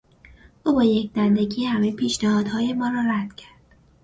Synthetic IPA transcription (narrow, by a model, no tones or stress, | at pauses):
ʔuːbɒːjecʰd̪ænd̪eɟiːhæmejpʰiːʃnæhɒːd̪̥hɒːje̞mɒːɾɒːɾæd̪̥cʰæɾd̪̥